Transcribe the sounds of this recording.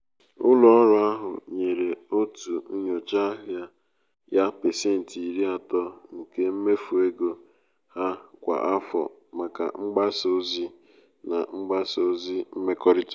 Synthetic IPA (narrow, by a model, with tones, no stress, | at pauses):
ʊ˦lʊ˨ɔ˦ɾʊ˦a˦ɦʊ̰˨ɲe˨ɾe˨o˦tu˨˦ɲo˨t͡ʃa˦ɦʊ˦˨ja˦ | ja˦pe˨se˦˨n̩˨ti˨ɾi˦a˨tɔ˦ŋ̩˨ke˦m̩˦me˦fu˨e˦ɡo˨ | ha˦kʷa̰˨ʔa˦fɔ̰˨ | ma˨ka̰˨ŋ͡m̩˦ɡ͡ba˦so˦zi˦ | na˨ŋ͡m̩˦ɡ͡ba˦so˦zi˦m̩˦me˦kɔ˦ɾi˦t